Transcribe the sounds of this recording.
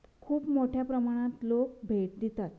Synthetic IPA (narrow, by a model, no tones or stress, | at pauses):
kʰuːpmoʈʰjapɾəmaɽ̃ãt̪lokbʱeʈ̚d̪it̪at̪